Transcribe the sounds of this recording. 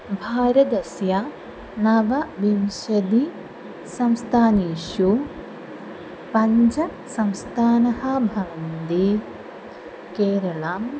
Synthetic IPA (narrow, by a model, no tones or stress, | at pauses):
bʱaːɾɐd̪ɐsja | nɐʋɐʋimʃɐd̪i | sɐmst̪ʰaːniːʃu | pɐɲd͡ʒɐ | sɐmst̪ʰaːnɐhɐbʱɐnnd̪i | keːɾɐɭaːm